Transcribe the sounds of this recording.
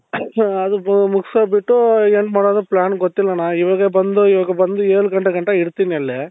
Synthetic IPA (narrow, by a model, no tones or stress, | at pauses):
ɐd̪umuksɐbiʈːueɳʈmaːɽoːd̪ɐplaːnɡot̪ːilːɐnaːiʋaːɡɐbɐnd̪uiʋaːɡɐbɐnd̪ueːɭuɡɐɳʈɐɡɐɳʈɐiɽt̪iniɐlːe